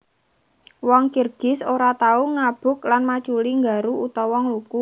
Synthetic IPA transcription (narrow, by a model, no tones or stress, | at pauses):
wɔŋkirɡ̥ɪsoɾat̪auŋab̥ʊ̤klanmat͡ʃuliŋɡa̤ɾuut̪ɔwɔŋluku